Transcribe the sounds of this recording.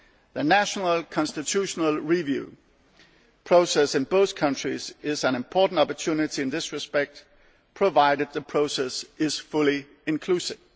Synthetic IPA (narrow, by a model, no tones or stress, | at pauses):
ðɨnæʃənəl̩ˠkʰɑ̃nstɨtʰuʃnəl̩ˠɹivjʉ̰ | pʰɹ̥oʊsɛsɨ̃nboʊθkʰʌ̃nt͡ʃɹ̥izɪzə̃nɨ̃mpʰɔɹʔn̩tɑpə˞tʰʉnɪɾiɨ̃nðɪsɹɨspɛk̚t̚ | pʰɹ̥əvaɪɾɨd̪̚ðəpʰɹ̥oʊsɛsɪz̥fʊlˠi | ɪ̃nkʰl̥ʉsɪv̥